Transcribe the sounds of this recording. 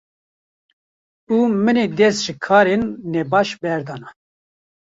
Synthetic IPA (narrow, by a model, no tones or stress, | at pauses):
uːmɨneːd̪ɛsʒɨkʰɑːɾenːɛbɑːʃbɛɾd̪ɑːnɑ